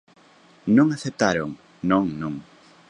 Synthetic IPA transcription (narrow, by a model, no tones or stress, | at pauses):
nõŋaθep̚t̪aɾoŋ | nõŋnõŋ